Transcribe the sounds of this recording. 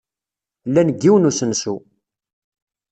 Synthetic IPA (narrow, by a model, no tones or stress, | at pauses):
lːænəɡːiwənusənsu